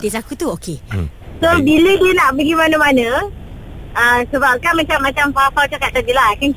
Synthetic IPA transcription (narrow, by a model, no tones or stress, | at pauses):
t̪isakut̪uokesobiləkənaʔbəɡimanəmanə̃ | əsəbap̚kanmat͡ʃamːat͡ʃampafalt̪ukaʔt̪adilaakank